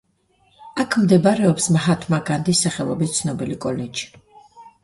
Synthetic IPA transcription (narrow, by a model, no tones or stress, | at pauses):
akʰmd̪ɛbaɾɛɔpsmɦat̪ʰmaɡand̪isːaχɛlˠɔ̰bist̪sʰnɔbilikʼɔlɛd͡ʒi̥